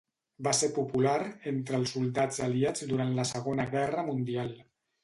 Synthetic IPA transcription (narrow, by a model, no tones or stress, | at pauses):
baseɾpupulaɾent̪ɾəlˠsulˠd̪ad͡zəliad͡zd̪uɾant̪ləsəɣonəɣɛrəmund̪ialˠ